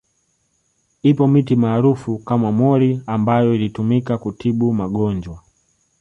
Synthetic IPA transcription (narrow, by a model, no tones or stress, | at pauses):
ipɔmitimaːɾufukamamɔɾiambajɔilitumikakutʰiɓumaɠɔnd͡ʒwa